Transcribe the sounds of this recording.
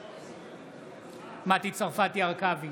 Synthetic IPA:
mat̪it͡saʁfat̪iaʁkavi

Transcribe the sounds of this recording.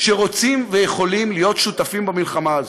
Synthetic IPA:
ʃeʁo̞t͡simvejeχo̞limlijo̞t̪ʃut̪afimbamilχamaazo

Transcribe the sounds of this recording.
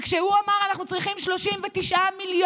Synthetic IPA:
kʃehuamaʁanaχnut͡sʁiχimʃlo̞ʃimvet̪iʃʔamilj

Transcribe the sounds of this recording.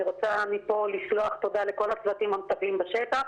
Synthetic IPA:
ʁot͡sanipo̞lːiʃloaχt̪o̞d̪aleko̞lat͡sdat̪imamt̪avimbaʃet̪aχ

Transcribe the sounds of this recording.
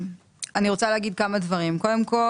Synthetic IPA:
aniʁo̞t͡saleaɡid̪̚kamadvɐʁimko̞de̞mko̞

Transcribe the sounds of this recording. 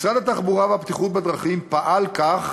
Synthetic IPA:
sʁad̪at̪aχbuʁaveapt̪iχut̪bed̪ʁaχimpaʔalkaχ

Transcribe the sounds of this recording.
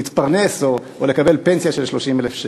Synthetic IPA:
it̪paʁne̞so | ole̞kabe̞lpe̞nsijaʃelʃlo̞ʃimelefʃ

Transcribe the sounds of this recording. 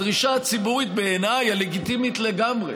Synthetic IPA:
ʁiʃaat͡sibuʁit̪̚be̞ːnajale̞ɡit̪imit̪le̞ɡamʁḛ

